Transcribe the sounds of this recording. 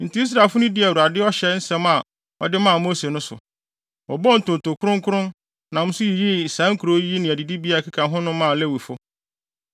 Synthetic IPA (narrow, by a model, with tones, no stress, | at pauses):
n̩˨ti˨˦i˦s̬ɾa˨lfʊ˦nʊ̃˦dɪ˦æ˨wu˨a˨dɪ˦ɔ˦ɕɛ˦n̩˦sɛ̃˦ma˨ | ɔ̰˨dɪ˦mã˦˨mo˦se˨nʊ̃˦sʊ̰˨ | ɔ˨bɔ˦n̩˨tʊ˨to˨kʰʊ˦ɾʊ̃˦ŋkʰʊ˦ɾʊ̃˦n | nã˨m̩ʊ̃˦sʊ˦ji˨ji˦˨sã˨˦ŋ˦kʰu˨ɾo˦ji˦nɪ̃˨æ˨di˨di˦bi˦a˦˨kʰi˦kʰã˨nɦʊ̃˦nʊ̃˦mã˦˨lɛ˦wi˨fʊ˦